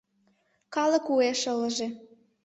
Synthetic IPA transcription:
kɑlə̆kueʃələ̆ʒĕ

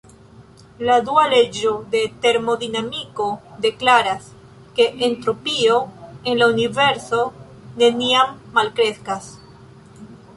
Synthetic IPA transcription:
lad̪uale̞d͡ʒod̪e̞t̪eɾmo̞ðinamiko̞d̪e̞klaɾas | ke̞ʔːnt̪ɾo̞pio̞enlaunive̞ɾso̞ | ne̞niamːalkɾeskas

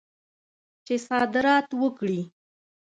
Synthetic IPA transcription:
t͡ʃesɑd̪ɪɾɑt̪wəkɽi

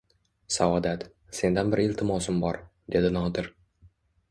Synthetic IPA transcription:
sawɒd̪at̪ | se̞nd̪anbɪɾelʲt̪ʰɪmɒsɪmbɒɾ | d̪e̞d̪ɪnɒd̪ɪɾ

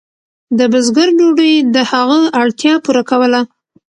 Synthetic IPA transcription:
d̪əbəzɡəɾɖoɖəjd̪əhaɣəaɽt̪jɑpuɾakawəla

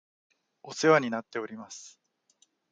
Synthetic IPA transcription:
o̞se̞βaɲ̟inat̪ːe̞o̞ɾʲimasɨ̥

